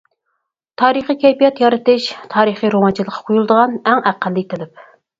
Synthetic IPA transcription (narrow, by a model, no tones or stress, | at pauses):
t̪ʰɑːɾɨχikʲʰɛjpijɑt̪jɑɾɨt̪ɨʃt̪ʰɑːɾɨχiɾomɑnt͡ʃʰilˠəqʰːɑ̥qʰojulˠd̪əʁɑnɛŋæqːəlːit̪ʰɪlɪp̚